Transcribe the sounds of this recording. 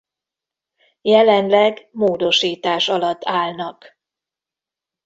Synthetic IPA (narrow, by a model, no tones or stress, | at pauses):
jɛlɛnlɛɡmoːd̪o̞ʃiːt̪aːʃɒlɒt̪ːaːlnɒk